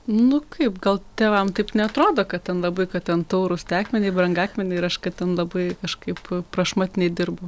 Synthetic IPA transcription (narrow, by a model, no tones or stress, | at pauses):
nʊkʰɐɪpɡɐlˠt̪ʲeːʋɐmt̪ɐɪpnʲɛɐt̪ɾoːd̪oːkɐt̚t̪ʲɛnlˠɐbɐɪkɐttʲɛnt̪oʊɾʊst̪ʲæːkmʲɛnʲɛɪbɾɐŋɡæːkmʲɛnʲɛɪɪɾɐʃkɐtt̪ʲɛnlˠɐbɐɪkɐʃkɐɪppɾɐʃmɑːt̪ʲɪnʲɛɪd̪ʲɪrbo